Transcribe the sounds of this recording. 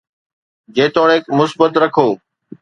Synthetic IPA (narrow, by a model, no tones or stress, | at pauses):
d͡ʑeːt̪oːɽeːkmʊsbət̪ɾɐkʰoː